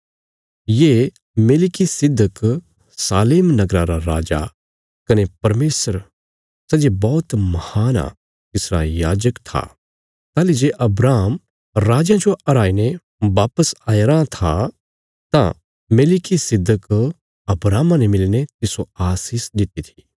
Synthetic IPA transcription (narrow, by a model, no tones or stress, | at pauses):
jeː | meːlɪkisɪd̪ːək | saːleːmnɐɡɾãɾaɾa̰ːd͡ʒa̰ | kɐnepɐɾmeːsəɾ | sɐd͡ʒebɔːt̪mɐhaːna̰ | t̪ɪsɾa̰jaːd͡ʒəkt̪ʰa̰ | t̪aːlid͡ʒeːʔɐbɾaːm | ɾaːd͡ʒãd͡ʒoɐɾaːine | ʋaːpəsaːeɾãt̪ʰa | t̪ã̰ | meːlɪkisɪd̪ːək | ɐbɾaːmãnemɪlinet̪ɪsoaːsisd̪ɪt̪it̪ʰi̥